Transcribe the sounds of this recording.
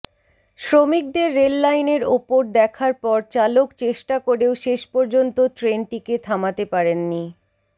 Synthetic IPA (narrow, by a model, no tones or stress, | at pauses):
ʃɾomik̚d̪eɾːelːajneɾopoɾd̪ɛkʰaɾpɔɾt͡ɕalokt͡ɕeʃʈakoɾeoʃeʃpɔɾd͡ʑont̪otɾenʈiket̪ʰamat̪epaɾenːi